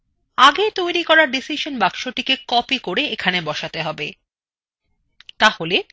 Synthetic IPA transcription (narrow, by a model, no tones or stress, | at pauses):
aɡet̪ojɾikɔɾaɾɖisiʃonbakʃoʈikekɔpikoɾeekʰanebɔʃat̪eɦɔbe | t̪ahole